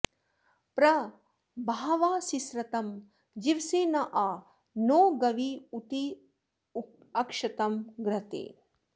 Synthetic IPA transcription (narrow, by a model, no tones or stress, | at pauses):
pɾɐ | bʱaːʋaːsisɾɐt̪ɐm | d͡ʒiʋseːnɐʔaː | noːɡɐʋiut̪i | u | ɐkʂɐt̪ɐmɡɾɐt̪ḛː